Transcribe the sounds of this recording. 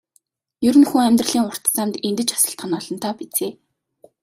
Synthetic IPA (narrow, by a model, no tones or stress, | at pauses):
jɵɾɘ̆nxuːŋæmʲt̪rə̆ɮiːŋʊr̥t̪t͡saːmt̪ent̪ɘ̆t͡ɕḁsə̆ɬt̪χə̆nɔːɮɞ̆nt̪ʰaːpit͡seː